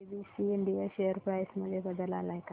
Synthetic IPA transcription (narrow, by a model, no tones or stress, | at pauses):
bisiiɳɖijaɕejəɾpɾajsməd̪ʱːjebəd̪əlalaɦeka